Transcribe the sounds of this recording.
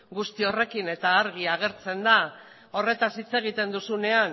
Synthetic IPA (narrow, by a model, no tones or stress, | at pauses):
ɡust̪io̞re̞kine̞t̪aːɾɣ̞iaɣ̞e̞ɾt͡se̞nd̪a | o̞re̞t̪asit͡se̞ɣ̞it̪e̞nd̪usune̞an